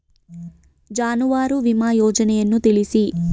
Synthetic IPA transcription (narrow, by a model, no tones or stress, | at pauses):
d͡ʒaːnuʋaːɾuʋimaːjɔːd͡ʒɐnɛjɐnːut̪elisi